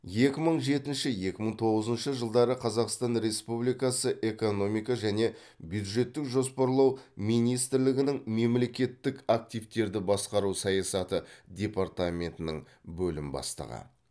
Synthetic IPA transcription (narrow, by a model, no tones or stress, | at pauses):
je̞kʲɪməɴʒe̞t̪ɪnʃɪje̞kʲɪməɴt̪ʰo̞ʁəzənʃəʒəlˠd̪ɑɾəqʰɑzɑqst̪ɑnɾe̞spublijkɑsəʔe̞ko̞no̞mijkɑʒæne̞ | bjud̪ʒe̞t̪ːɪkʒo̞spɑɾlˠɑwmijnijst̪ɪɾlɪɡʲɪnɪŋme̞mle̞kʲe̞t̪ːɪkak̚t̪ijft̪e̞ɾd̪ɪbɑsqɑɾusɑjɑsɑt̪əd̪ʲe̞paɾt̪amʲe̞nt̪ɪnə̰ɴ | bɵlɪmbɑ̰st̪ɑ̰ʁɑ̰n